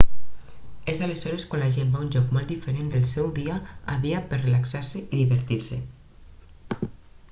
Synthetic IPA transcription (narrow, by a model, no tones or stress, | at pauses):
ezalezɔɾeskwãnlaʒembaunʲʒɔkmold̪ifeɾend̪əlˠsɛwðiaa̰ðiapeɾrelaksaɾseʔiðiβəɾt̪iɾse